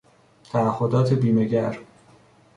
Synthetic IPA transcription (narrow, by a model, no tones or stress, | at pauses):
t̪ʰæːho̞d̪ɒːt̪ʰe̞biːme̞ɟæɾ